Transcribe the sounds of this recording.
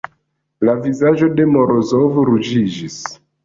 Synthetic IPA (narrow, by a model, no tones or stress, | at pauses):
lavizaʒo̞de̞moɾozovɾud͡ʒid͡ʒis